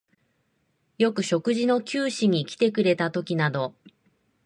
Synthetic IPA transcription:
jo̞kɯ̟ɕo̞kɯ̟ʑino̞kʲɨːɕiɲ̟ikʲi̥t̪e̞kɯ̟ɾe̞t̪at̪o̞kʲinad̪o̞

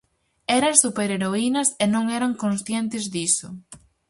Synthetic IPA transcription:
ɛɾɐsupeɾeɾoinɐsenõŋɛɾɐŋkõnsθjɛnt̪ɪzðisʊ

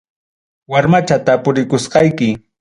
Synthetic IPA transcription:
waɾmat͡ʃat̪apʊɾɪkʊsqɑjkɪ

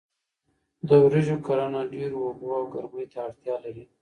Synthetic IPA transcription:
d̪əwɾeʒokaɾanaɖeɾwaɡuawɡaɾməjt̪aːɽt̪jɑlaɾi

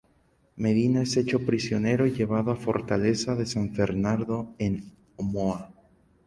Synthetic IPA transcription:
me̞ðinae̞se̞t͡ʃo̞pɾisjo̞ne̞ɾo̞iʝe̞β̞aðoafo̞̰ɾt̪ale̞saðe̞saɱfe̞ɾnaɾðo̞en | omoa

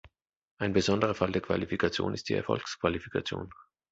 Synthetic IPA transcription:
ʔaɪnbəzɔndəʁ̞ɐfaldeːɐkv̥a̰lifikʰat͡sjo̰ːnʔɪstd̥iːɛɐfɔ̰lkskv̥alifi̥kʰat͡sjo̰ːn

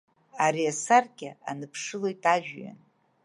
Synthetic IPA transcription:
aɾiasarɡʲɪa̰nɨpʰʂɨlo̞jtʼaʒᶣɥa̰n

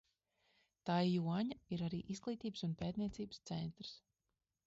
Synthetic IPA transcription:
t̪ajjuɔɲaiɾaɾiːʔiz̥ɡlˠiːt̪iːbəsunpeːt̪niɛt̪siːbst̪sɛnt̪ɾɨ̥s

